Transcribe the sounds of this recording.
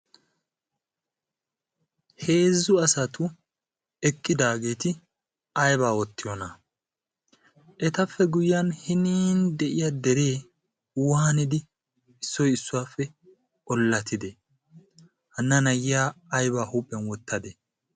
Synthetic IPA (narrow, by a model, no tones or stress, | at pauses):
he̞ːzːʊɐsɐt̪ʊ | ɛkʼːɪd̪aːɡe̞ːt̪ɪ | ɐjbaːwɔt̪ːɪjɔnɐ | ʔɛt̪ɐfːɛɡʊjjɐnhɪniːnd̪ɛʔɪjad̪ɛɾe̞ː | wʊanɪd̪ɪ | ɪsːɔjɪsːʊwaːfːɛ | ɔlːɐt̪ʰɪd̪ɛ | hɐnːɐnɐjɪjaːjbaːhupʼːɛnwɔt̪ʰːɐd̪ɛ